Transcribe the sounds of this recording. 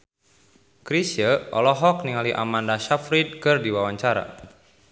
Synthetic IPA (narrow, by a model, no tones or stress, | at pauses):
kɾisjəʔɔ̰lɔɦɔk̚niŋaliʔa̰mandaʃafɾid̚kɨrdiwawaɲt͡ʃaɾa̰